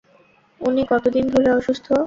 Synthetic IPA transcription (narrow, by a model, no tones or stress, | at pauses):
unikɔt̪od̪ind̪ʱoɾeɔʃust̪ʰo